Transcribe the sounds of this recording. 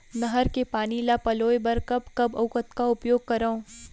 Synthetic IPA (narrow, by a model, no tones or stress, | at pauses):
nɐɦəɾkepaːnilapɐloːjbɐɾkɐbkɐbɐ̰ʊkət̪kaʊpjoːɡ̚kɐɾaõː